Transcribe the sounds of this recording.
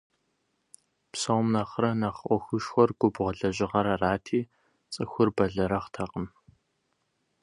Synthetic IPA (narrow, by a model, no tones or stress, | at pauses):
psɐwmnɐχrɐnɐχʔʷɔxʷʊʃxʷɔrɡʷʊbʁʷɔɮɐʑʼɪʁɐɾɐraːtʰiː | t͡sʼɨxʷʊrbɐɮɐɾɐχtʰɐqʼəm